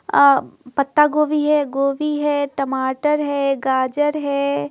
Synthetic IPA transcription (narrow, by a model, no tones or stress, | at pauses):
pɐt̪ːaɡoːʋiɦɛɡoːʋiɦɛːʈɐmaːʈəɾɦɛːɡaːd͡ʒəɾɦɛː